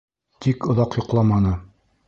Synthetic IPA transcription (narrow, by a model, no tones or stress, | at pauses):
t̪ʰikŏðɑqjŏqlˠɑmɑnɤ